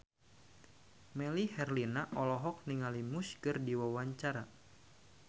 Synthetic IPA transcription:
mɛlihɛrlinaʔɔlɔɦɔk̚niŋalimuskɨrdiwawaɲt͡ʃaɾa

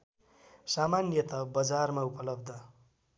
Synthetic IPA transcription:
samanjʌt̪ʌbʌd͡zarmaupʌlʌbd̪ʱʌ

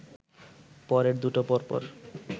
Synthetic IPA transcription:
pɔɾeɾd̪uʈopɔɾpɔ̰ɾ

